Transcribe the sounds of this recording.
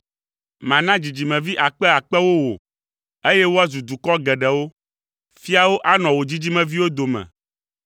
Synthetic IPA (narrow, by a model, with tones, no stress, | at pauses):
mã˨nã˦d͡ʑi˨d͡ʑi˨mɛ̃˨vi˦ʔa˨k͡pɛ˦a˨k͡pɛ˦wo˦wo̰˨ | e˦jɛ˦wo˦a˦zu˨d̪u˨kɔ˦ɡɛ˨ɖɛ˨wo˦ | fi˦a˦wo˦ʔa˦nɔ̃˨wo˨d͡ʑi˦d͡ʑi˦mɛ̃˨vi˦wo˦d̪o˨mɛ̰̃˨